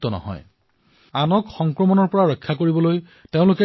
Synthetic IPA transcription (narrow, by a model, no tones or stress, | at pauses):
tɔnɔ̰ɦɔ̰j | anɔkxɔŋkɹɔmɔnɔɹpɔɹaɹɔjkʰːakoɹibɔloj | teʊ̃lʊkɛ